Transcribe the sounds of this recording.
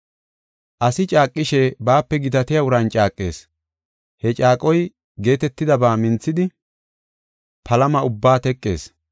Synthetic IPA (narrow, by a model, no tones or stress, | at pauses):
ʔɐsɪt͡ʃʼaːkʼːɪʃebaːpːɛɡɪt̪ɐt̪ɪjɐʊɾɐnt͡ʃʼaːkʼːe̞̰ːs | hɛt͡ʃʼaːkʼɔj | ɡe̞ːt̪ɛt̪ːɪd̪ɐbaːmɪnt͡sːɪd̪ɪ | pɐlɐmɐʊbːaːt̪ɛkʼːe̞ːs